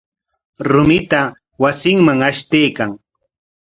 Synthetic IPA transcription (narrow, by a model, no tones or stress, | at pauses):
ɾʊmɪt̪a | wasɪŋmaŋaʃt̪ejkaŋ